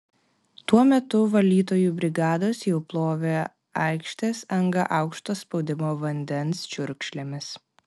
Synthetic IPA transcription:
t̪uɔmʲɛt̪ʊʋɐlʲiːt̪oːjuːbʲɾʲɪɡɑːd̪oːsjɛʊplˠoːʋʲe | ɐɪkʃʲt̪ʲeːsɐŋɡɐʔɑˑʊkʃt̪oːspɒʊd̪ʲɪmoːʋɐnʲd̪ʲɛnst͡ʃʲʊɾʲkʃʲlʲemʲɪs

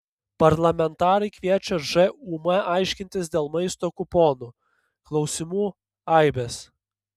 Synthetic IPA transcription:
pɐɾlˠɐmʲɛnt̪ɑːɾɐɪkʋʲiɛt͡ʃʲɛʒɛuːmɐɑˑɪʃʲkʲɪnʲt̪ʲɪsd̪ʲeːlˠmɐɪst̪oːkʊpoːnuː | klˠɒʊsʲɪmuː | ɑˑɪbʲes

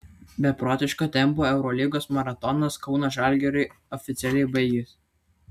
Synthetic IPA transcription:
bʲɛpɾɔːt̪ʲɪʃkoːt̪ʲɛmpoːɛʊɾɔlʲiɡoːsmɐɾɐt̪ɔnɐskɒʊnɐʒɑˑlʲɡʲɛɾɐɪ | ɔfʲɪt̪sʲɛlʲɛɪbɐɪɡʲes

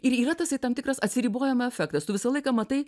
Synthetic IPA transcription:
ɪɾiːɾɐt̪ɐsɐɪt̪ɐmt̪ʲɪkrɐsɐt̪ʲsʲɪɾʲiːboːjɛmɐɛfʲɛk̚t̪ɐst̪ʊʋʲɪsɐlˠɐɪkɐmɐt̪ɐɪ

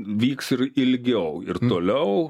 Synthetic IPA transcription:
ʋʲiːksɪɾɪlʲɡʲɛʊɪrt̪oːlʲɛʊ

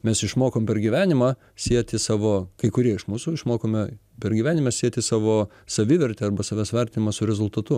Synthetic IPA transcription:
mʲɛsɪʃmoːkoːmpʲɛɾɡʲiʋʲæːnʲɪmɑ | sʲiɛt̪ʲɪsɑːʋoːkɐɪkʊɾʲiɛɪʃmuːsʊɪʃmoːkoːmʲɛ | pʲɛrɡʲiːʋʲæːnʲɪmɐsʲiɛt̪ʲɪsɑːʋoː | sɐʋʲɪʋʲɛɾʲt̪ʲeːɐrbɐsɑʋʲæːsʋʲɐɾʲt̪ʲɪnʲɪmɐsʊɾʲɛzʊlˠt̪ɐt̪ʊ

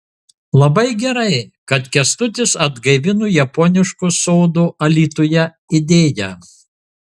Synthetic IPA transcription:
lˠɐbɐɪɡʲɛɾɐɪkɐt̪kʲɛst̪ʊt̪ʲɪsɐd̪ɡɐɪʋʲɪnuːjɛpɔːnʲɪʃkusɔʊd̪uʔɐlʲiːt̪oːjɛ | ɪd̪ʲeːjɛ

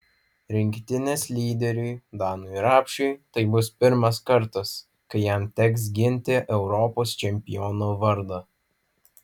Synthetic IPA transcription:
ɾʲɪŋʲkt̪ʲɪnʲeːslʲiːd̪ʲɛɾʲuɪd̪ɑːnuːɾɑːpʲʃʲʊɪt̪ɐɪbʊspʲɪɾmɐskɐɾt̪ɐs | kɐɪjæmt̪ʲɛks̬ɡʲɪnʲt̪ʲeʔɛʊɾɔpoːst͡ʃʲɛmʲpʲɪjɔnoːʋɐɾd̪ɐ

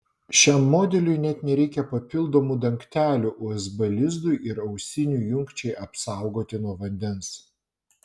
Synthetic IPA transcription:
ʃʲæˑmːoːd̪ʲɛlʲʊɪnʲɛt̪nʲɛɾʲɛɪkʲɛpɐpʲɪlˠd̪oːmud̪ɐŋʲkt̪ʲæːlʲuʔʊɛzbɐlʲɪzd̪ʊɪʔɪɾɐʊsʲɪnʲuˑjʊŋkt͡ʃʲɛɪʔɐpsɑˑʊɡoːt̪ʲɪnuɔʋɐnʲd̪ʲɛns

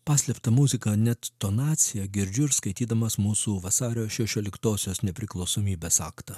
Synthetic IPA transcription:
pɑːsʲlʲɛpt̪ɐmuzʲɪkɐnʲɛt̪ːonɑːt̪sʲɪjɛɡʲɪɾʲd͡ʒʲʊɾskɐɪt̪ʲiːd̪ɐmɐsmuːsuʋɐsɑːɾʲoːʃʲɛʃʲoːlʲɪkt̪oːsʲoːsnʲɛpʲɾʲɪklˠɒʊsoːmʲiːbʲeːsɑːkt̪ɐ

